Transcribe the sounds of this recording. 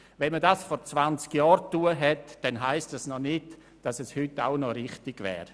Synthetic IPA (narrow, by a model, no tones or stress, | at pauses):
vɛnmədasfɔɾt͡svant͡skjɔːɾtuəɦɛtd̥ɛnɦaɪstasnɔnɪt | d̥asɛshʏta̰ʊnɔɾɪχtɪɡ̥vɛ̰ːɾ